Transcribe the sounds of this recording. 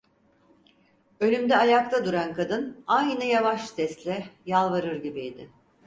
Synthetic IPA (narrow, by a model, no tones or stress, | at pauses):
ø̞lʲymd̪ɛajak̚t̪ʰˠad̪uɾankʰad̪ɯnajnɯjavaʃsɛst̪lʲɛjalˠvaɾɯɾɟibied̪ɪ